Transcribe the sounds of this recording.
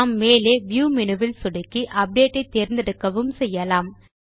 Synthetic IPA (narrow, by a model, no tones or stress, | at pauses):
mːeːleːʋjuːmɪnɯʋɪlsʊɽɐkːiʔɐp̚ɖeːʈːɐɪt̪ːeːɾnd̪ɛɽɯkːɐʋɯmsɛjːɐlaːm